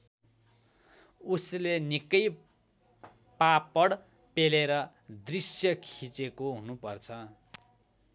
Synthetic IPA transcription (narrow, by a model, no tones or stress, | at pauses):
uslenikʌj | papʌɽ | peleɾʌ | d̪risjʌkʰit͡sekoɦunupʌrt͡sʰʌ